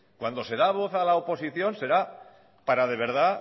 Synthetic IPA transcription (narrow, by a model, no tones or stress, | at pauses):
kwand̪o̞se̞ð̞aβ̞o̞θalaopo̞siθjo̞nse̞ɾa | paɾað̞e̞βe̞ɾð̞a